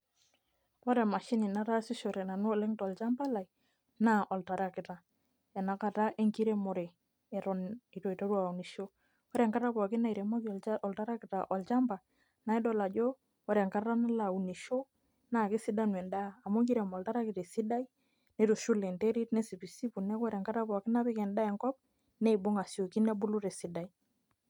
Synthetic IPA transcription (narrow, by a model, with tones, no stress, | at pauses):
ɔ˦ɾɛ˨ma˨ʃi˦ni˨na˦ɾa˦si˦ʃɔ˨ɾɛ˨na˨nu˦˨lɛ˦ŋtɔ˨lt͡ʃa˦mba˦la˨i | na˦ʔɔ˨lta˨ɾa˦kɪ˨ta˨ | ɛ˨na˨ka˨ta˦ʔe˦ŋki˦ɾe˦mɔ˨ɾɛ˨ | ɛ˨tɔni˨to˨i˨to˦ɾwa˨u˨ni˨ʃo˦ | ɔ˦ɾɛ˨ŋka˦ɾa˦pɔ˨kɪ˦na˦˨i˨ɾɛ˨mɔ˦kɔ˨lta˦ɾa˦kɪ˨ta˨ʔɔ˨lt͡ʃa˦mba˨ | na˨i˦dɔ˦la˨d͡ʒo˦ | ɔ˦ɾɛ˨ŋka˦ra˦na˦la˨u˨ni˨ʃo˦ | na˦˨kɪ˦si˦da˦nwɛ˨ndaː˦˨mo˦ŋki˦ɾɛ˨mɔ˨lta˦ɾa˦kɪ˨te˨si˦da˦i˦ | ne˦to˨ʃu˦le˨nte˦ɾi˦tne˦si˨pi˨si˦pu˨nɛ˦kwɔ˦ɾe˨ŋka˦ta˦pɔ˨kɪ˦na˦pɪ˦kɛ˨nda˦ɛ˨ŋkɔ˦p̚ | ne˦i˨bʊ˦ŋa˨so˨ki˦nɛ˦bʊ˦lu˦ɾe˨si˨da˦i˦